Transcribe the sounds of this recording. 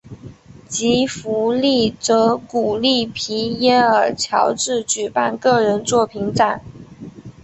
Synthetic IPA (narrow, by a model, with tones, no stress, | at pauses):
t͡ɕi˧˥fu˧˥li˥˩t͡sɤ˧˥ku˨˩li˥˩pʰi˧˥jɛ˥nə˞˨˩t͡ɕʰjɑ̰˧˥ʊʈ͡ʂɻ̩˥˩t͡ɕy˨˩pa˥˧nkɤ˥˩ɻə˧˥nt͡swɔ˥˩pʰi˧˥ŋʈ͡ʂa˨˩˦n